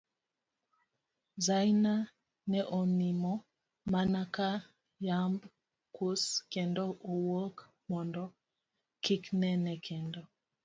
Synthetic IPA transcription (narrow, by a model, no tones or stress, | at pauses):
zajna | nɛʔɔmimɔ | manaka | jamb | kuskɛndɔowok | mɔndɔ | kiknɛnɛkʰɛndɔ